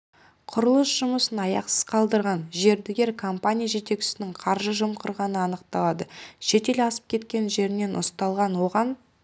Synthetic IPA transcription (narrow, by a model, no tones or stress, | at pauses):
qʰʊɾəlˠəsʒ̥ʊməsənɑjɑqsəz̥qʰɑlˠd̪əɾʁɑnʒe̞ɾd̪ɪɡʲe̞ɾkʰo̞mpanʲijaʒe̞t̪e̞kt͡ʃɪ̥sɪnɪŋqʰɑɾʒəʒʊmqʰəɾʁɑnəɑnəqt̪ɑlˠɑd̪əʃe̞t̪e̞lɑsə̥p̚kʲʰe̞t̪kʲe̞nʒe̞ɾɪne̞nʔʊ̰st̪ɑlˠʁɑnwo̞ʁɑn